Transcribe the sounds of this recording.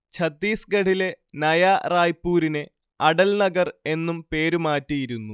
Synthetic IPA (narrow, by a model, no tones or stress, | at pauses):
t͡ɕʰɐt̪ːiːsɡɐɽile̞ | nɐjaraːjpːuːɾine̞ | ɐɽɐlnɐɡɐre̞nːumpe̞ːɾumaːtːijiɾunːu